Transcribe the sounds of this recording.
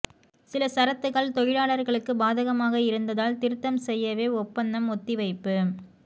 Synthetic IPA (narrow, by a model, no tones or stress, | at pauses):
sɪlɐsɐɾɐt̪ːɯɣɐɭt̪ɔɻɪɻaːɭɐɾɣɐɭɯkːɯbaːðɐɣɐmaːɣɐɪɾɯnd̪ɐðaːlt̪ɪɾɯt̪ːɐmsɛjːɐʋeːɔpːɐnd̪ɐmɔt̪ːɪʋɐɪpːɯ